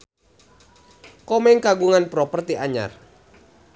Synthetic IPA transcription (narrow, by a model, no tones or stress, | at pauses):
kɔmɛŋkaɡuŋanpɾɔpərt̪iʔaɲa̰r